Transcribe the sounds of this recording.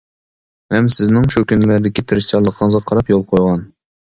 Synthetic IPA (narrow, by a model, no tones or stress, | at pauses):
hɛmsɪznɪŋʃukʲynlæɾd̪ɪkʲit̪ʰɾɪʃt̪ɑlˠəqʰːɑŋzʁɑqʰːɑɾɑpjolˠqʰojʁɑn